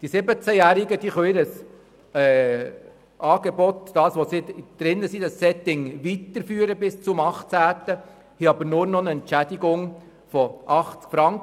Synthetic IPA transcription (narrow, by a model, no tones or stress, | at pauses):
d̥isɪbət͡sæjæːɾɪɡəd̥̪iːχœiɾəs | ɛ | ʔɑːɡ̥ɛbɔt̪d̥̪ɑːsʋosɪd̪̥ɾɪnːəsid̥̪ɑsːɛt̪ɪŋʋit̪əɾfyːəɾəbɪst͡sʊmɑχtt͡sæːt̪ə | hiɑbəɾnʊnɔnəɛntt͡ʃæd̥̪ɪɡʊŋ | fɔʔɑχt͡skfɾɑŋk